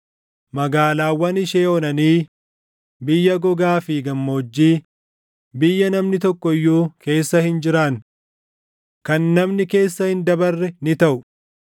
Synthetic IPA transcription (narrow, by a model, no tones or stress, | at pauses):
mɐɡaːlaːwːɐnɪʃeːɔnɐniː | bɪjːɐɡɔɡaːfiːɡɐmːoːd͡ʒːiː | bɪjːɐnɐmnɪt̪ɔkːɔɪjːuːke̞ːsːɐhɪnd͡ʒɪɾɐn | kɐnːɐmnɪke̞ːsːɐhɪnd̪ɐbɐrːɛnɪt̪ɐʔʊ